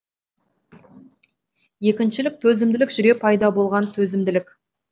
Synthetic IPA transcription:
je̞kʲɪnʃɪlɪk̚t̪ʰɵzɪmd̪ɪlɪkʒʏɾe̞pʰɑjd̪ɑbo̞lˠʁɑnt̪ʰɵzɪmd̪ɪlɪkʲ

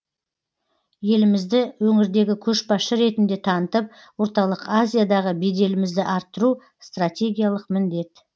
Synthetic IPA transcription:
je̞lɪmɪzd̪ɪwɵŋɪɾd̪e̞ɡʲɪkʲʰɵʃbɑʃəɾe̞t̪ɪnd̪e̞t̪ʰɑnət̪əp̚ | wo̞ɾt̪ɑlˠəqazʲijad̪ɑʁəbed̪e̞lɪmɪzd̪ɪʔɑɾt̪ːəɾu | st̪rat̪ʲe̞ɡʲijalˠəqmɪnd̪e̞t̪

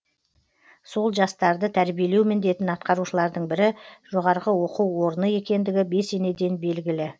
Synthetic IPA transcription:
so̞lˠʒɑst̪ɑɾd̪ət̪ʰæɾbije̞le̞wmɪnd̪e̞t̪ɪnɑt̪̚qɑɾuʃəlˠɑɾd̪əɴbɪɾɪʒ̥o̞ʁɑɾʁəwo̞quwwo̞ɾənəje̞kʲe̞nd̪ɪɡʲɪbe̞se̞ne̞d̪e̞nbe̞lɡʲɪlɪ

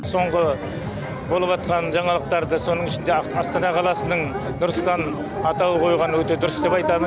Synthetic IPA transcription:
so̞ɴʁə | bo̞lˠəpɑt̪̚qɑnʒɑɴɑlˠəq̚t̪ɑɾd̪əso̞nəɴɪʃɪnd̪eɑst̪ɑnɑqʰɑlˠɑsənəɴ | d̪ʊɾəst̪ɑn | ɑt̪ɑwəqʰo̞jʁɑnəwɵt̪e̞d̪ʊɾəsd̪e̞pɑjt̪ɑmə

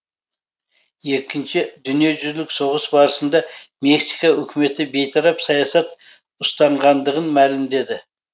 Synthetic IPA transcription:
je̞kʲɪnʃɪd̪ʏnije̞ʒʏɾlɪkso̞ʁəsbɑɾəsənd̪ɑme̞ksijkɑʏkʲʰɪme̞t̪ɪbe̞jt̪ʰɑɾɑpsɑjɑsɑt̪ | ʊst̪ɑɴʁɑnd̪əʁənmælɪmd̪e̞d̪ɪ

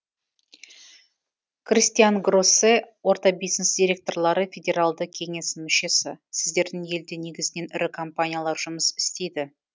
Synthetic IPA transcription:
krʲist̪ijanɡrosewo̞ɾt̪ɑbijznesd̪ʲiɾʲe̞k̚t̪o̞rlˠɑɾəfʲedʲe̞ɾalˠd̪əkʲʰe̞ŋe̞sɪmʏʃe̞sɪ̰sɪzd̪e̞ɾd̪ɪŋje̞ld̪ene̞ɡʲɪzɪne̞nʔʏɾɪkʰompanʲijalˠɑɾʒʊməsɪ̥st̪e̞jd̪ɪ

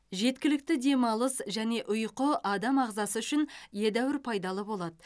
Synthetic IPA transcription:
ʒe̞t̪̚kʲɪlɪk̚t̪ɪd̪e̞mɑlˠəsʒæne̞ʔʊjqəʔɑd̪ɑmɑʁzɑsəʏʃɪnje̞d̪æwɪɾpʰɑjd̪ɑlˠəbo̞lˠɑd̪ə

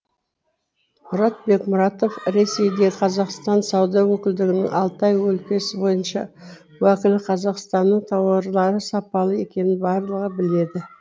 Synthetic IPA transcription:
mʊɾɑt̪̚be̞kmʊɾɑt̪o̞fɾe̞se̞jd̪e̞qʰɑzɑqst̪ɑnsɑwd̪ɑwɵkʲɪld̪ɪɡʲɪnɪ̰ŋɑ̰lˠt̪ɑjwɵlkʲe̞sɪbo̞jənʃɑ̰ | wækʲɪlqʰɑzɑqst̪ɑnːəɴt̪ʰɑwɑɾlˠɑɾəsɑpɑlˠəe̞kʲe̞nɪnbɑɾlˠəʁəbɪle̞d̪ɪ

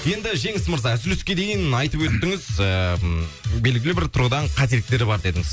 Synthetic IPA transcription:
je̞nd̪ɪʒe̞ŋɪsməɾzɑsʏleskʲe̞d̪e̞jɪnɑjt̪əpwɵt̪ːɪŋɪzə | be̞lɡʲɪlɪbɪɾt̪ʰʊɾʁəd̪ɑɴqʰɑt̪ejet̪ːe̞ɾɪbɑɾd̪e̞d̪ɪŋɪz̥

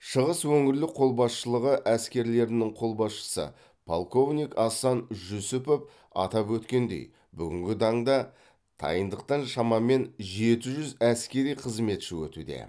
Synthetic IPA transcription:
ʃəʁəswɵŋɪɾlɪqʰo̞lˠbɑsʃəlˠəʁəʔæskʲe̞ɾle̞ɾɪnɪɴqʰo̞lˠbɑsʃə̥sə̰ | pʰo̰lˠko̞vnʲijkɑsɑnʒʊsʊpop̚ | ɑ̰t̪ɑpwɵt̪kʲe̞nd̪e̞̰j | bʏɡʲɪŋɡʲɪt̪ʰɑɴd̪ɑ | t̪ʰɑ̰jənd̪əq̚t̪ɑnʃɑmɑme̞nʒe̞t̪ɪʒʏzæskʲe̞ɾijqʰəzme̞t̪ʃɪwɵ̰t̪ṵd̪e̞̰

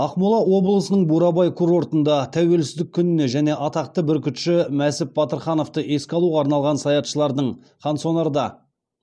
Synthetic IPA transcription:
ɑqmʊlˠɑwo̞blˠəsənəɴbuɾɑbɑjkʰuɾo̞ɾt̪ənd̪ɑt̪ʰæwe̞lsɪzd̪ɪkʲʰːʏnɪne̞ʒæne̞ʔɑt̪ɑqt̪əbɪɾkʲʰʏt̪ʃɪmæsɪp̚bɑt̪əɾχɑno̞ft̪əʔe̞skʲɑlˠuʁɑːɾnɑlˠʁɑnsɑjɑt̪ʃəlˠɑɾd̪əɴ | χɑnsonɑɾd̪ɑ

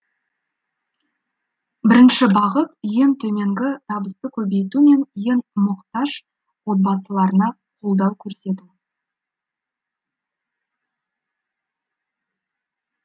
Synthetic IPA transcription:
bɪɾɪnʃɪbɑʁət̪̚ʏjent̪ʰɵme̞ŋɡʲɪt̪ʰɑbəst̪əkʲʰɵbe̞jt̪ume̞nʏjenmʊqt̪ɑʒ | wo̞t̪̚bɑsəlˠɑɾənɑ | qʰolˠd̪ɑwkʲʰɵɾse̞t̪u

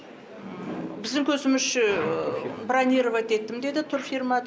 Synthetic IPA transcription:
bɪzd̪ɪŋkʲʰɵzɪmɪʃʃɪ | braneɾovat̪e̞t̪ːɪmd̪e̞d̪ɪt̪ʰʊrfirmɑd̪

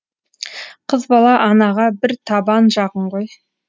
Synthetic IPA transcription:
qʰəzbɑlˠɑʔɑnɑʁɑbɪɾt̪ʰɑbɑnʒɑʁəɴʁoj

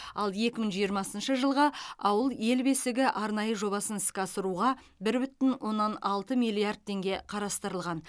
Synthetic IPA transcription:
ɑlˠje̞kʲɪməɴʒijəɾmɑsənʃəʒəlˠʁɑɑwəlˠje̞lbe̞sɪɡʲɪʔɑɾnɑjəʒo̞βɑsənɪskʲɑsəɾuʁɑ | bɪɾbʏt̪ɪnwo̞nːɑnɑlˠt̪əmijlˠiard̪̚t̪ʰːe̞ŋɡʲe̞qʰɑɾɑst̪əɾəlˠʁɑn

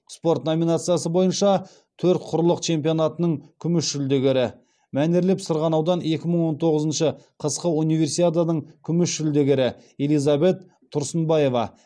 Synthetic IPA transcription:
spo̞rt̪no̞minat̪sɨjasəbo̞jənʃɑ | t̪ʰɵɾt̪̚qʰʊɾlˠəqt͡ʃʰe̞mpijo̞nat̪ənəɴkʲʰʏmɪʃʒʏld̪eɡʲeɾɪ | mæneɾlepsʊɾʁɑnɑwd̪ɑne̞kʲɪməɴwo̞nt̪ʰo̞ʁəzənʃəqʰəsqəunijve̞ɾsijt̪ad̪ɑnəɴkʲʰʏmɪʃʒʏld̪eɡʲeɾɪ | e̞lijzɑbe̞t̪ʰːʊɾsənbɑje̞vɑ̰

